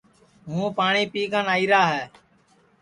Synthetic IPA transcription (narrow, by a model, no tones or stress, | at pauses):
ɦũːpaːɳiːpiːkʰãːnaːiːɾaːɦɛː